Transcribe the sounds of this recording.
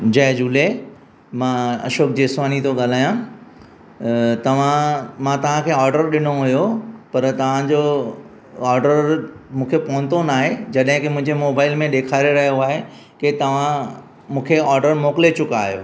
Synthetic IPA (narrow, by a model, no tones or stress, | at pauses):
d͡ʑɐɦd͡ʑuːle | mãɐ̰ʃoːk̚d͡ʑeːsʋaːnit̪oɠaːl̤aːjã | t̪ɐʋ̤ãmãt̪ɐʋ̤ãkʰeːɔːɾɖəɾɗɪnoɦujopɐɾt̪ɐʋ̤ãd͡ʑo | ɔːɾɖəɾmũːkʰepɔɦʊ̃nt̪onaːɦed͡ʑɐɗɦɪ̃kemʊ̃ɦɪ̃ɲd͡ʑemoːbaːɪlmẽɗeːkʰaːɾeɾɐɦijoaːɦe | ket̪ɐʋ̤ã | mũːkʰeɔːɾɖəɾmoːkɪlet͡ɕʊka̰ːɦijo̰ː